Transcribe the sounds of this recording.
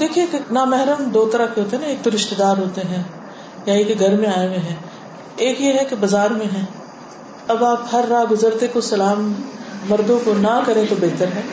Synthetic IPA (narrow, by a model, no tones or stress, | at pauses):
d̪eːkʰiekenaːmɛɦɾəmd̪oːt̪ɐɾakeɦoːt̪eɦnãeːk̚t̪oɾɪʃt̪ed̪aːɾɦoːt̪eɦɛ̃ː | jaeːkeɡʱɐɾmẽaːeʋẽɦɛ̃ː | eːkjeɦɛkebɐzaːɾmẽɦɛ̃ː | ɐbaːphɐɾːaːɡʊzəɾt̪ekosɐlaːmːɐɾd̪õkonɐkɐɾẽt̪obeɦt̪əɾɦɛː